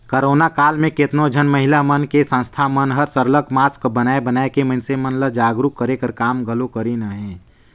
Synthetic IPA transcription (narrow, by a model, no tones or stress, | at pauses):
kəɾoːnakaːlmẽkɪt̪nod͡ʒʱənməɦɪlamənkesə̃nst̪ʰamənɦəɾsəɾləkmaːskbənaːebənaːekemə̃nsemənləd͡ʒaːɡɾukːəɾekəɾkaːmɡəlokəɾinaɦɛ̃ː